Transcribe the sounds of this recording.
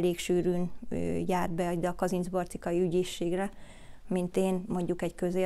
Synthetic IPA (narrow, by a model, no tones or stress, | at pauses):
leːkʃyːɾyːn̰ːjaːrd̪̚bɛɒɟd̪ɛɒkɒzinzbort̪ikɒjiyɟeːʃːeːɡrɛ | mint̪eːnmo̞ɲɟukɛɟkø̞zeː